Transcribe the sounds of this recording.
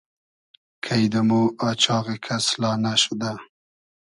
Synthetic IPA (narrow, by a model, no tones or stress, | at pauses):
kʰajd̪əmoɑt͡ʃɑɣekʰaslɑnaʃud̪a